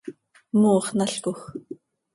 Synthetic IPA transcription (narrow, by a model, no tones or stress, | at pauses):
muːχnaɬkʊx